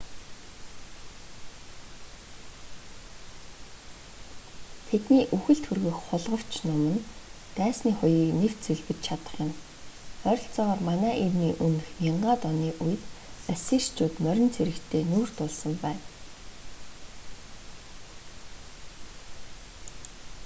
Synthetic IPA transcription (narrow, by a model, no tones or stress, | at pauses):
t̪ʰet̪niːʔuxɘ̆ɬt̪xurɣɘ̆xχʊɮʁə̆w̥t͡ɕʰnʊmə̆n | t̪æːsniːχʊjiːknew̥t̪t͡sɵɮpɘ̆t͡ɕ̪t͡ɕʰat̪ə̥̆χjɪ̆m | œɾʲɞ̆ɬt͡sɔːʁɔːrmanæːʔerniːʔunɘ̆xmʲiɴɢaːt̪ɔniːʔuj̆t̪œsiːʃt͡ɕuːt̪mœɾʲɪ̆nt͡sʰeɾɘ̆kt̪ʰeːnuːr̥t̪ʊːɮsə̆mpæːn